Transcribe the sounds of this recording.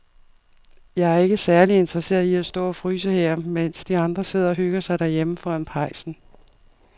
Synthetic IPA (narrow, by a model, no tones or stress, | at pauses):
jɑ̈ɪæɐe̝ɡ̥əsæɐlie̝nd̥ʁɐse̝̰ːɐðˠiæsd̥ɔ̰ːɒ̽fʁy̰ːs̬əheɐ̰men̰sd̥iɑ̈nd̥ʁɐse̝ð̞̰ˠɐɒ̽ɦøɡ̥ɐsɑ̈ɪd̥æɐjeməfɒænpʰɑ̈ɪsn̩